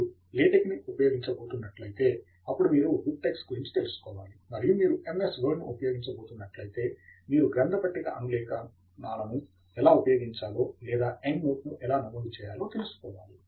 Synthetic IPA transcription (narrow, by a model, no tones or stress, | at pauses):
leːʈekniʔupɐjo̞ːɡiɲt͡ʃɐboːt̪unːɐʈlɐjit̪e̞ː | ɐpːuɽumiːɾuɡuɖ̚ʈeːksɡuɾiɲt͡ʃit̪elusu̥kɔːʋaːlimɐɾijumiːɾuʔe̞mesʋɐɖnuupɐjo̞ːɡiɲt͡ʃɐboːt̪unːɐʈlɐjit̪e̞ːmiːɾuɡɾɐnd̪ɐpɐʈːiɡa̰ʔɐŋɡlɛːkɐ | naːlɐnu | ɛlaːupɐjo̞ːɡiɲt͡ʃaːlo̞ːlɛːd̪aːeŋɡmoːʈnuʔɛlaːnɐmond̪it͡ʃɛːjaːlo̞ːt̪elusu̥kɔːʋa̰ːli